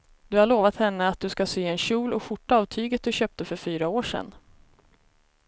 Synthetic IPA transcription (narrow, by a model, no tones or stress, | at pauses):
d̪ɵhaɭoːvat̪hɛnːəat̪̚d̪ɵskaseːɛnɕuːlɔɧʊʈːaːvt̪ʰyːɡət̪̚d̪ɵɕøːp̚t̪əfœɾfyːɾaoːʂɛ̰nː